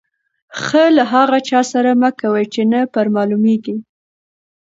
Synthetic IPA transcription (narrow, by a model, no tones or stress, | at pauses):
xəlaɦɑɣat͡ʃɑsaɾaməkawəjt͡ʃenapəɾmɑlumeɡi